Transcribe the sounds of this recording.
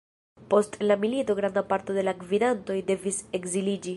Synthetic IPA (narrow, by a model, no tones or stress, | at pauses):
po̞stlamilito̞ɡɾandapaɾto̞de̞lakvidanto̞jde̞vise̞kzilid͡ʒi